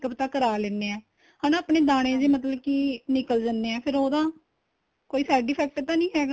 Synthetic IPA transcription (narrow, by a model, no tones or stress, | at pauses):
kəpt̪ãːkəɾaːlɛːneːɛ̃ː | ɦaːnãːəpɳeːd̪aːɽ̃ẽːd͡ʒeːmət̪̬ləbkiːnɪkəld͡ʒanːeːɛːpʰɪɾoːd̪ãː | koːiːsɛːɖiːpʰɛːk̚ʈt̪ãːnĩːɦɛːɡaː